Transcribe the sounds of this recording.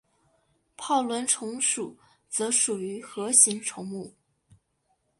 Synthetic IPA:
pʰɑ˥˩ʊlwə˧˥nʈ͡ʂʰʊ˧˥ŋʂu˨˩ | t͡sɤ˧˥ʂu˨˩y˧˥xɤ˧˥ɕi˧˥ŋʈ͡ʂʰʊ˧˥ŋmu˥˩

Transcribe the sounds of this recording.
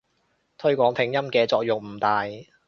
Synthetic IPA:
t̪ʰɵ˥ɥkʷɔː˨˥ŋpʰɪ˨˥ŋjɐ˥mkɛː˧t͡sɔː˧k̚jʊ˨k̚m̩˨˩t̪aː˨j

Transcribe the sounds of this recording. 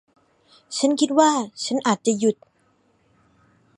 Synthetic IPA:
t͡ɕʰa˦˥nkʰi˦˥t̪̚waː˥˩t͡ɕʰa˦˥nʔaː˨˩t̪̚t͡ɕa˨˩ju˨˩t̪̚

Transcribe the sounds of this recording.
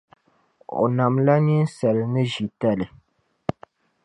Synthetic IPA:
o̰˨na˨mla˦ni˦n̩˦sɛ˨lnɨ˦ʒi˨ta˦lɨ˨

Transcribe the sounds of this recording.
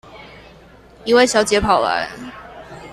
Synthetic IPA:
i˧˨we˥˩ɪɕjɑ˧ʊt͡ɕjɛ˨˥pʰɑ˨˩ʊla̰˧˦n

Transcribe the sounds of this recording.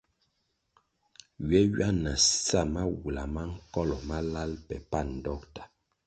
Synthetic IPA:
ɥɛ˦ɥa˦na˨sa˦˨ma˦wu˨la˨ma˦ŋ̩˦kɔ˦lɔ˨ma˦la˦lpɛ̰˨pa˦˨n̩˨dɔ˦˨k̚tḁ˨

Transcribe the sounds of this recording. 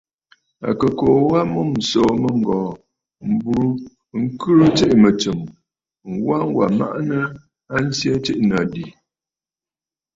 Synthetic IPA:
a̰˨kə˨koː˨wa˦mu˦˨m̩˨soː˨mə˦ŋ˨ɡɔː˨ | m̩˨bu˨ɾu˦ | ŋ̩˦kɨ˦ɾə˦t͡ʃe˦ʔmə˨t͡sə˨m | ŋ˨wa˦ŋ˦wa̰˨ma̰˦ʔnə˦ | a˦n̩˦sja˦t͡ʃi˦ʔna˨di˨

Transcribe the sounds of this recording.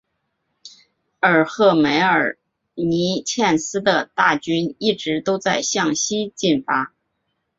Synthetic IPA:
ə˞˨˩xɤ˥˩me˧˥ɪə˞˨˩ | ni˧˥t͡ɕʰjɛ˥˩nsɹ̩˥d̪ə˨t̪a˥˩t͡ɕy˥ni˥˩ʈ͡ʂɻ̩˧˥t̪o˥ʊt͡sa˥˧ɪɕjɑ˥˩ŋɕi˥t͡ɕi˥˩nfa˥

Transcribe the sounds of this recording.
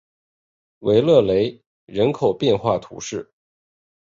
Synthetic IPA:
we˧˥ɪlɤ˥˩le˧˥ɪ | ɻə˧˥nkʰo˨˩ʊpjɛ˥˧nxwa˥˩t̪ʰṵ˧˥ʂɻ̩˥˩

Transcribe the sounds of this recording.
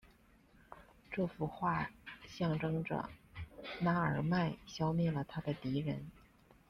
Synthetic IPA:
ʈ͡ʂɤ˥˩fu˧˥xwa˥˩ɕjɑ˥˧ŋʈ͡ʂɤ˥ŋʈ͡ʂə̰˩ | na˥ə˞˨˩ma˥˩ɪɕjɑ˥ʊmjɛ˥˩lə˩t̪ʰa˥d̪ə˨t̪i˧˥ɻə̰˧˥n

